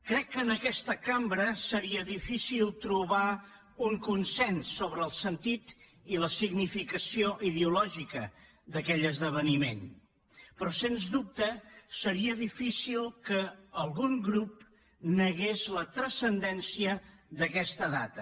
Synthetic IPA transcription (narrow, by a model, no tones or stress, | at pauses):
kɾɛkːəːnəkɛst̪əkambɾəsəɾiəðifisilˠt̪ɾuβa | uŋkunsɛnsːoβɾəːlˠsənt̪it̪ | iləsiɣnifikəsioʔiðeulɔʒikə | d̪əkɛʎəzðəβ̞ənimḛn | pɾɔsenzðup̚t̪əsəɾiəðifisilˠkəːlˠɣuŋɡɾup | nəɣezlət̪ɾəsənd̪ɛnsiəðəkɛst̪əða̰t̪ə